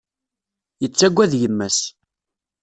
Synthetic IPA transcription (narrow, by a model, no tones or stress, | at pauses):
jət͡sːæɡʷːæðjəmːæs